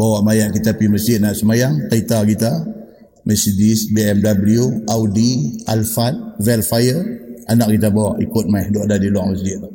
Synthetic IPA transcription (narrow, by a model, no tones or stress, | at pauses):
bawaʔmajaʔkit̪apiməs̬d͡ʒɪt̪̚naʔsəmajaŋt̪ait̪akit̪a | məsidisbeɛmdabəlijuawdialfat̪̚vɛlfajəanak̚kit̪̬abawaʔḭkʊt̪̚majhdɔʔdadilwaŋməs̬d͡ʒɪt̪̚